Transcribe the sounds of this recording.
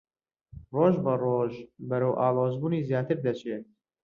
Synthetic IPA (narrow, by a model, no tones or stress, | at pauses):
roːʒbɐroːʒbɐɾɐwʔaːlˠoːzbuːniːzjaːt̪ɨɾd̪ɐt͡ʃʰet̪̚